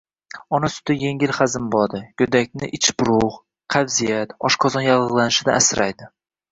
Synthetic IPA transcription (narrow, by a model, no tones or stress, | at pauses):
ɒnasʊ̥t̪ɪje̞ŋʲɪlχazɪmbɒd̪ɪjɵd̪ak̚ʲnɪʔɪt͡ʃbʊɾʊʁ | qʰavzijat̪ɒʃqʰɒzɒnjɑʁɨʁlˠanɪʃɪd̪a̰asɾajd̪ɪ